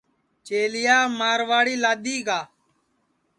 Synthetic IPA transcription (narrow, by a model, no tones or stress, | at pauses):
t͡ʃeːlɪjaːmaːɾʋaːɽiːlaːɗ̪iːɡaː